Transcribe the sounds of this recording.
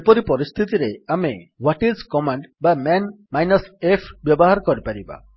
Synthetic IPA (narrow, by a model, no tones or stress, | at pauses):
epɔɾipɔɾist̪ʰit̪iɾeamewɔʈizkɔmaɳɖbamɛn | majnɔsepʰbjɔbɔɦaɾɔkɔɾipaɾiba̰